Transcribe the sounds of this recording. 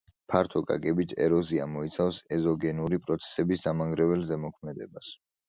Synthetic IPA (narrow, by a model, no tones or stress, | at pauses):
pʰaɾt̪ʰɔkʼa̰ɡɛbit̪ʰɛ̰ɾɔziamɔit̪sʰafsɛzɔɡɛnuɾipʼɾɔt̪sʰɛ̥sɛbisd̪amaŋɡɾɛvɛlzɛmɔkʰmɛd̪ɛbas